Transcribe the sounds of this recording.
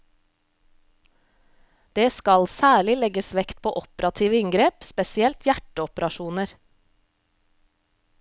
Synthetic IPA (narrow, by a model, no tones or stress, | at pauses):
d̪̥eːskɑlsæːɭɪlɛɡəsʋɛkt̪̚pʰo̰ːʔɔpɾɑt̪ʰiːʋəɪŋɡɾeːpspɛsɪɛlt̪ʰjæʈəɔpəɾɑʃuːnəɾ